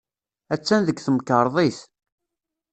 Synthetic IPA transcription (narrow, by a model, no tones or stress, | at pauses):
æt͡sːænðəɡθəmkːəɾˤðˤiθ